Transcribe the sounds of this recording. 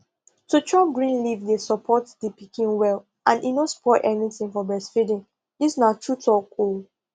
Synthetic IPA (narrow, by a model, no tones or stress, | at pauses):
tut͡ʃɔp̚ɡɹĩnlivdesɔpʰɔtdipikĩnwɛl | ʔãnʔinospʰɔtɛniθĩŋfɔbɹɛsfɹidĩn | disnatʰutɔkʰul